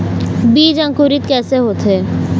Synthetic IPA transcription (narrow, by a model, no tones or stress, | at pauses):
biːd͡ʒɐ̃ŋkuɾɪt̪kɛːseɦoːt̪ɦeː